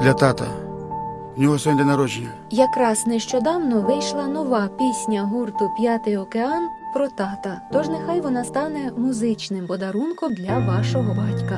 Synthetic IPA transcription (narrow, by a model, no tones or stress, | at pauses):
d̪lʲɐt̪ɑt̪ɐ̰ | wnʲɔɦɔsɔnʲd̪ɛnɐɾɔd͡ʒɪnʲɐ | jɐkɾɑsnɛʃt͡ʃɔd̪ɑwnɔʋɪjʃlˠɐnɔʋɑpʲisʲnʲɐɦurt̪ʊpʲjat̪ɪjɔkeɑnpɾɔt̪ɑt̪ɐt̪ɔʒnexɑjʋɔnɑst̪ɑnɛmʊzɪt͡ʃnɪmpɔd̪ɐɾunkɔmd̪lʲɐʋɑʃɔɦɔbɑtʲkɐ